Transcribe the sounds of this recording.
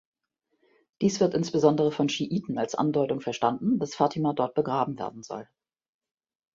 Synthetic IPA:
d̥iːsv̥ɪɐtʔɪnsb̥əzɔndəʁ̞əfɔnʃiʔiːtn̩alsʔa̰ndɔʏtʊŋfɛɐʃtandn̩d̥asfaːtʰimaːdɔɐt̚b̥əɡʁaːbm̩vḛːɐdn̩zɔ̰l

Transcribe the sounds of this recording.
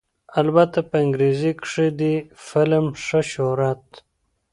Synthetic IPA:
albat̪apɐɪŋɡɾezikʂid̪ifɪlmʂəʃoɾat̪̚

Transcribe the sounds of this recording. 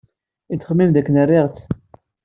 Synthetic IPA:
it͡sːχəmːimd̪ækːənərːiʁt͡sː

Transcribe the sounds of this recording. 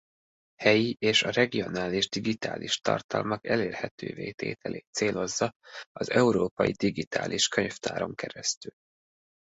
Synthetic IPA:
hɛjiʔeːʃɒrɛɡio̞naːliʒd̪iɡit̪a̰ːliʃt̪ɒ̰rt̪ɒlmɒkɛleːrhɛt̪ø̰ːveːt̪eːt̪ʰɛlʔeːt̪seːlo̞zːɒɒzɛuɾoːpɒjid̪iɡit̪a̰ːlʔiʃkøɲft̪aːɾo̞ŋkɛɾɛst̪yl

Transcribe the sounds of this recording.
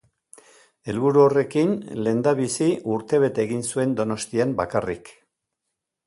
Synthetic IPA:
e̞lβuɾuo̞re̞kinle̞nd̪aβisiʔuɾt̪e̞βe̞t̪eːɣinsue̞nd̪o̞no̞st̪iambakarḭk

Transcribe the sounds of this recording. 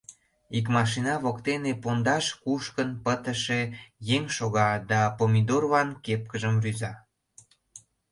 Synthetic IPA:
ik̬mɑʃ̬inɑβokt̪enepond̪ɑʃkuʃkənpət̪əʃejeŋʃoɣɑd̪ɑpomid̪orβɑnkep̚kəʒəmryzɑ

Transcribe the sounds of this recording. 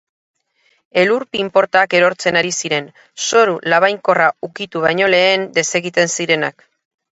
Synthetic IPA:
e̞luɾpimpo̞ɾt̪aːke̞ɾo̞ɾt͡se̞naɾisiɾe̞n | so̞ɾulaβ̞ajŋko̞raukit̪uβ̞ajɲo̞le̞ːnd̪e̞se̞ɣit̪e̞nsiɾe̞nak

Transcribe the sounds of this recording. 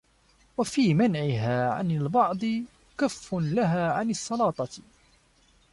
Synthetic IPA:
wafiːmanʕɪɦaːʕa̰nalbɑʕd̪ˤɨ | kafːʊnlaɦaːʕanɪsˤːɑlɑːt̪ˤɑ

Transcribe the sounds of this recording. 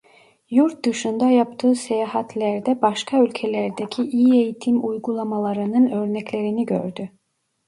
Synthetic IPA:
juɾt̪̚d̪ɯʃund̪ajapt̪ʰɯːsejahat̪ʰlʲæɾd̪ɛbaʃkʰaylʲcʰelʲæɾd̪ecʰiʔijie̞jit̪ʰimujɡulˠamalˠaɾɯnɯnø̞ɾnɛclʲe̞ɾiniɟø̰ɾd̪y

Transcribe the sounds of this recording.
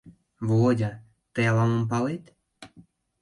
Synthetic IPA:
βodʲɑ | t̪əjɑlɑmomp̬ɑlet̪

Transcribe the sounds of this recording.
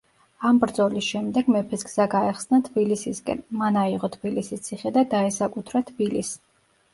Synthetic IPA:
ambɾd̪zɔlisʃɛmd̪ɛɡmɛpʰɛsɡz̥aɡaɛχsnat̪ʰbilisiskʼɛ̰nmanaiʁɔt̪ʰbilisist̪sʰiχɛd̪ad̪aɛsakʼut̪ʰɾat̪ʰbilis

